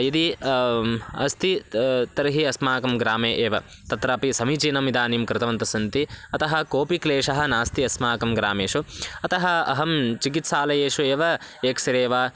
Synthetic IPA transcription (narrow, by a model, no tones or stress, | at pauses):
id̪i | ɐ̰st̪it̪ɐɾɐɦiɐsmaːkɐmɡɾaːmeːʔeːʋɐ | t̪ɐt̪ɾaːpisɐmit͡ʃiːnɐmid̪aːnimkɾɪt̪ɐʋɐnt̪ɐsɐnt̪iɐt̪ɐɦɐkoːpikleːʂɐɦɐ̆naːst̪iɐsmaːkɐmɡɾaːmeːʂuɐt̪ɐɦɐɐ̰ɦɐmt͡ʃikit̪saːlɐjeːʂueːʋɐeːksɐɾeːʋaː